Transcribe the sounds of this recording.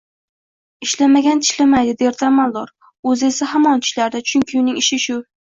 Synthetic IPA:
ɪʃlamaɡʲant̪ʰɪ̥ʃlamajd̪ɪd̪eɾt̪ʰamalˠd̪ɒɾ | ɵze̞sahamɒnt̪ʰɪ̥ʃlaɾd̪at͡ʃʰʊŋʲkʲʰɪʊnɪŋɪʃɪʃʊ

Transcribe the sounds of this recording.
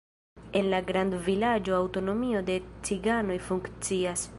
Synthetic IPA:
e̞nlaɡɾandvilad͡ʒo̞awto̞no̞mio̞de̞t͡siɡano̞jfuŋkt͡sias

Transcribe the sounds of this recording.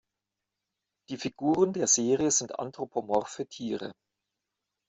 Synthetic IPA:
d̥iːfiɡuːʁəndeːɐzeːʁiəzɪntʔa̰ntʁ̥opʰomɔfyːɐtʰiːʁə̰

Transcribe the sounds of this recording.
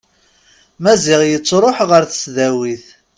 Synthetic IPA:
mæzɪʁjət͡sːɾˤoħʁəɾθə̥sðæwiθ

